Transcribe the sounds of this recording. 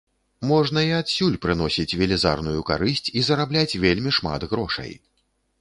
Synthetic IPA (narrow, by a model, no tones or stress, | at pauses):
mɔʐnɐiat̪sʲulʲpɾɨn̪ɔsʲit͡sʲvʲɛlʲɛza̰rnujuka̰ɾɨsʲt͡sʲizɐɾablʲat͡sʲvʲelʲmʲiʂma̰d̪ɣɾɔʂɐ̰j